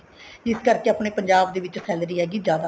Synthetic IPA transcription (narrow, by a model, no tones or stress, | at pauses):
d͡ʒɪskəɾkeːəpneːpəɲd͡ʒaːbd̪eːʋɪt͡ʃsɛːlɾiːɦɛːɡiːzjaːd̪a